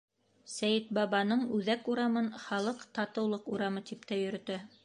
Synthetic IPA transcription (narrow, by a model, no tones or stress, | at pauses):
sæjɘt̪̚bɑβɑnɤɴʉðækuɾɑmɤnχɑlˠɤqt̪ɑt̪ɤ̆wlˠɤquɾɑmɤt̪ip̚t̪æjɵ̆ɾɵ̆t̪ɘ